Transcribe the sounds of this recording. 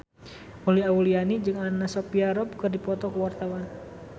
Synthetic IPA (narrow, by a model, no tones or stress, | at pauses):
ʔuliaulianid͡ʒɨŋanasɔpiaɾɔbukɨrdipɔt̪ɔkəwart̪awan